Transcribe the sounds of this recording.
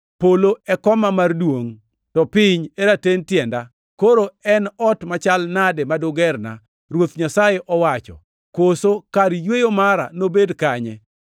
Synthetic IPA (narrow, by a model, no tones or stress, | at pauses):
poloɛkɔmamardwoŋ | tɔpɪɲeɾatentjɛnda | koɾoɛnɔtmat͡ʃalnadɛmadʊɡɛrna̰ | ɾwot̪ɲasajeʔɔwat͡ʃɔ̰ | kosokaɾijwejomaɾa̰nobedkaɲɛ